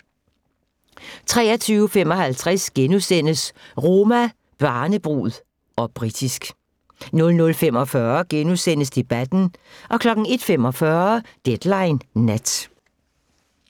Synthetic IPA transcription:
t͡sʰʁɛ̰ːɐt͡sʰyːʊfem̰ɒ̽hælt͡sʰʁasɡ̥enusen̰əsʁo̝ːmæ | b̥ɑ̈ːnəb̥ʁṵːð̩ˠ | ɒ̽b̥ʁid̥isɡ̥ | nɔ̽lnɔ̽lfem̰ɒ̽fɶːɐɡ̥enusen̰əsd̥e̝b̥æd̥n̩ʔɒ̽kʰlɒ̽ɡ̥n̩e̝d̥femɒ̽fɶɐd̥ed̥lɑ̈ɪnːæd̥

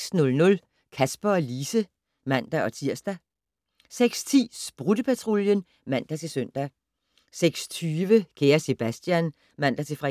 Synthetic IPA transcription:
snɔ̽lnɔ̽l | kʰæsb̥ɐɒ̽liːsə | mæn̰d̥æʔɒ̽t͡sʰiɐ̰sd̥æ | seɡ̥st͡sʰḭːsb̥ʁud̥əpʰæt͡sʰʁoljən | mæn̰d̥æt͡sʰe̝søn̰d̥æ | seɡ̥st͡sʰyːʋəkʰeːɐse̝b̥æsd̥jæn | mæn̰d̥æt͡sʰe̝fʁɑ

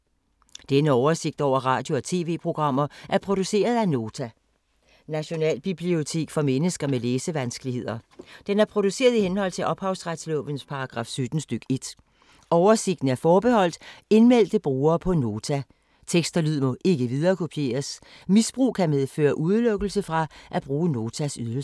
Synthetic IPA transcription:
d̥enəɒʊɐse̝ɡ̥̚d̥ɒʊ̰ɐʁɑ̈ːd̥jo̝ɒt͡sʰe̝̰ːʋe̝̰ːpʰʁo̝ɡ̥ʁɑ̈m̰ɐʔæɐpʰʁo̝d̥use̝̰ːɐð̞ˠæno̝ːt͡sʰæ | næɕo̝nɛ̰ːlb̥ib̥lio̝t͡sʰe̝̰ːɡ̥fɒ̽menəsɡ̥ɐmeleːsəʋænsɡ̥əlihe̝ð̰ˠɐd̥enæɐpʰʁo̝d̥use̝̰ːɐð̞ˠihenhɒ̽l̰t͡sʰe̝lʔɒ̽b̥hɑ̈ʊsʁad̥slɔ̰̽ːʋənspʰɑ̈ɑ̈ɡ̥ʁɑ̈ːfsød̥n̩sd̥øɡ̥e̝d̥ | ɒʊɐse̝ɡ̥d̥n̩æɐfɒːb̥e̝hɒ̽l̰d̥e̝nmel̰d̥əb̥ʁuːɐːpʰɒ̽no̝ːt͡sʰæ | t͡sʰeɡ̥sd̥ɐlyð̞̰ˠmɔ̽ʔe̝ɡ̥əʋið̞ˠɐːkʰo̝pʰie̝̰ːɐs | misb̥ʁṵːkʰæmeðˠfø̰ːɐʔuð̞ˠlɔ̽ɡ̥əl̩səfʁɑ̈ʔæb̥ʁuːəno̝ːt͡sʰæsyðˠ

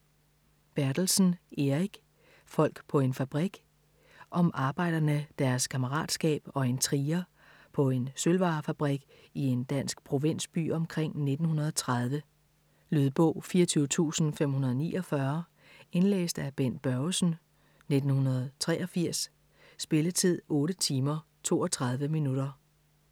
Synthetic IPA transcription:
b̥æɐd̥l̩sn̩ʔe̝ʁiɡ̥ | fɒ̽l̰ɡ̥pʰɒ̽e̝nfæb̥ʁiɡ̥ | ʔɒ̽mʔɑ̈ːb̥ɑ̈ɪ̰d̥ɐnəd̥æɐskʰɑməʁɑ̰̈ːd̥sɡ̥ɛ̰ːb̥ɒ̽e̝nt͡sʰʁiːɐ | pʰɒ̽e̝nsølʋɑ̈ːfæb̥ʁiɡ̥ | ie̝nd̥æn̰sɡ̥pʰʁo̝ʋe̝n̰sb̥y̰ːɒ̽mkʰʁeŋ̰ne̝d̥n̩hunɐðˠɒt͡sʰʁað̞ˠʋə | lyðˠb̥ɔ̰ʊ̰fiːɐt͡sʰyːʊt͡sʰṵːsn̩fem̰ɦunɐðˠɒnḭːʔɒ̽fɶɐ | e̝nlḛːsd̥æb̥en̰b̥ɶʊsn̩ | ne̝d̥n̩hunɐð̞̩ˠt͡sʰʁɛ̰ːɒ̽fiɐ̰sː | b̥e̝lət͡sʰið̞̰ˠɔ̽ːɾət͡sʰiːmɐ | t͡sʰo̝̰ːɒt͡sʰʁɑ̈ð̞ˠʋəminudɐ

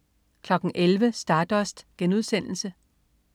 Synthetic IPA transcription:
kʰlɒ̽ɡ̥n̩ʔelʋəsd̥ɑ̈ːd̥ɒsd̥ɡ̥enuð̞ˠsen̰l̩sə

